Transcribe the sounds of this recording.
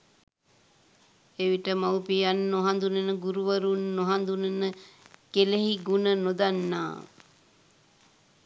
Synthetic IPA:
eʋiʈəmawpijanːoɦand̪unənəɡuɾuʋəɾunːoɦand̪unənəkeleɦiɡunənod̪anːa̰ː

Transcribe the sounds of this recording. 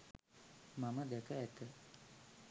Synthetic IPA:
maməd̪ɛkəæt̪ə

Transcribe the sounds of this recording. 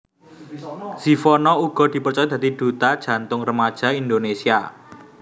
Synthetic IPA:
z̥ifɔnɔuɡ̥ɔ̤d̪̥i̤pərt͡ʃɔjɔd̪̥a̤t̪id̪̥ṳt̪ad̥ʒ̥ä̤nt̪ʊŋrəmad̥ʒ̥a̤ind̪onesia

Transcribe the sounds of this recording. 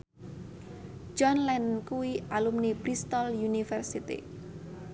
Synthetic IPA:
d͡ʒɔnlɛnkuwiʔalumnipɾist̪ɔljunifɛrsit̪ḭ

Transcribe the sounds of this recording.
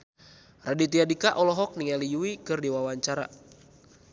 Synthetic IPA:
radit̪iadikaʔɔlɔɦɔk̚niŋalijuwikɨrdiwawaɲt͡ʃaɾa̰

